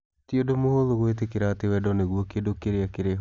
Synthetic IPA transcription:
tiodomoɦoloɣoet̬ekeɾatewɛdɔneɣwokedokeɾeakeɾeɦ

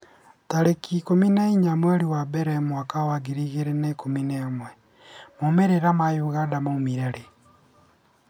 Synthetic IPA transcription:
taɾekikominaiɲamwɛaɾiwabɛɾɛmwakawaɡiɾiɣeɾenekominemwɛ | momeɾeɾamajuɣadamaumiɾeɾe

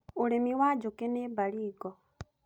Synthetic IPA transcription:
ulemiwad͡ʒukenebaliːɡo

